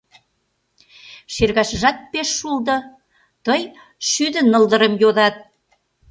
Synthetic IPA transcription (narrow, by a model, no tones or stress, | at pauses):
ʃerɣɑʃəʒɑt̪̚peʃːuld̪ɤ̆ | t̪əj | ʃyd̪ə̆nəld̪ə̆ɾəmjoðɑt̪̚